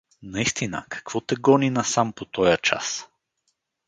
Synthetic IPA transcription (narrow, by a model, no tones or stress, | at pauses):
nɐist̪inə̰kɐ̥kv̥ɔt̪ɛɡɔninɐsampot̪ɔjət͡ʃa̰s